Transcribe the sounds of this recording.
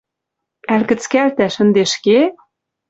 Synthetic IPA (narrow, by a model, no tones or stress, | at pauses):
ælkɘ̆t͡skælt̪æʃə̆nd̪eʃke